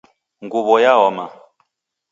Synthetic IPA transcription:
ŋɡuβɔjaɔma

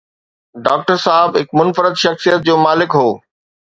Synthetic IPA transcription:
ɖaːk̚ʈəɾsaːɦɪbɦɪkmʊnfəɾəd̪ʃɐxsijət̪̚d͡ʑoːmaːlɪkɦoː

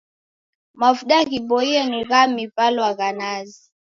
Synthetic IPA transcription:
mafuɗaɣibɔianiɣamipalɔwaɣanazi

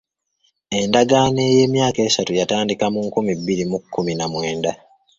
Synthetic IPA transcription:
e̞ndaɡane̞ːje̞ːmjaːke̞ːsatujataːndikamuŋkumibːiɾimukʰːuminamwe̞ːnda

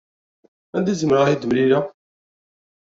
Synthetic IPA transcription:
ænd̪izəməɾid̪əmɾiɾa

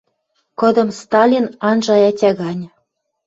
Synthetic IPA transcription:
kɤ̆d̪ɤ̆mst̪ɑlʲinɑnʒɑjɑtʲɑɣɑnʲ

